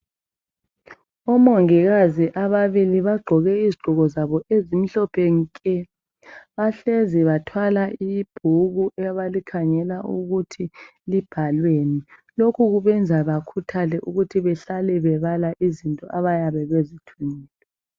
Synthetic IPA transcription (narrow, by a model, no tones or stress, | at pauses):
ɔmoŋiɣaziʔaβaβiliβaɡ͡ǃʱɔɣɛiziɡ͡ǃʱɔɣɔzaβɔʔezim̩ɬɔpʰɛŋ̩kʼɛ | βaɬeziβatʰwalaʔib̥ʱuɣuʔɛβalikʰaŋɛlauɣutʰi | lib̥ʱalwenilokʰuɣuβɛnd͡zʱaβakʰutʰalɛʔuɣutʰiβɛɬalɛβɛβalaʔizintʼɔʔaβajaβɛβezitʰuniːlɛ